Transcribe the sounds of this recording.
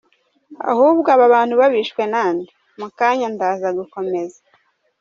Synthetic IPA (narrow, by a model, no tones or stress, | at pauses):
a̰huːbɡaβaβaːn̥huβaβiːʃkwe̞naːndi | mukaːɲandaːzaɡuko̞me̞zḁ